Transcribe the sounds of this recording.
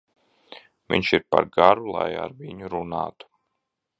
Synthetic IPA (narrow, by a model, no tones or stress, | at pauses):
vʲḭɲʃiɾpaɾɡaɾulˠa̰ja̰ɾviɲuɾunaːt̪u̥